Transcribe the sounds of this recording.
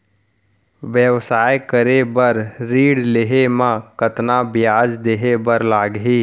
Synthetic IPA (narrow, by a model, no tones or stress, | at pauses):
ʋjəʋsaːjkəɾebəɾɾiːɽleɦemãkət̪nabɪjaːd͡ʒd̪eːɦebəɾlaːɡɦiː